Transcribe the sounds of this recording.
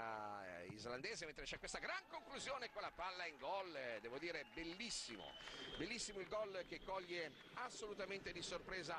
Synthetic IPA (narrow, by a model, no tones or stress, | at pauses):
ḭzland̪eːzement̪ɾet͡ʃɛkːwest̪aɡɾaŋkoŋkluzjoːnekonlapalːaiŋɡɔld̪ɛːvod̪iːɾebelːisːḭmo̰belːisːimoilɡɔlk̟ekːɔʎːe | asːolut̪ament̪ed̪isorpɾeːza